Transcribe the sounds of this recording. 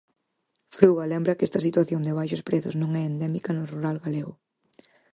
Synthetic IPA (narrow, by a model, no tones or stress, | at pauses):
fɾuɣɐlembɾɐkɛst̪ɐsit̪waθjond̪ɪβ̞ajʃʊspɾeθʊznõŋɛend̪ɛmikɐnʊruɾalɣaleɣʊ